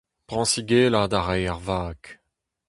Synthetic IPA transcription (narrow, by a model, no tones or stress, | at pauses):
pʁɑ̃siɡeːlad̪aʁɛjaʁvaːk